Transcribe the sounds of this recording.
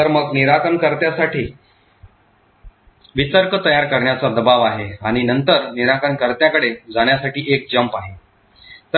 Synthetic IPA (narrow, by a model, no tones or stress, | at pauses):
t̪əɾməɡniɾakənkəɾt̪jasaʈiː | ʋit̪əɾkət̪əjaɾkəɾɳjat͡sad̪əbaʋaɦeaɽ̃inənt̪əɾniɾakəɳkəɾt̪jakəɽed͡zaɽ̃jasaʈiːʔek̚d͡zəmpaɦe | t̪ə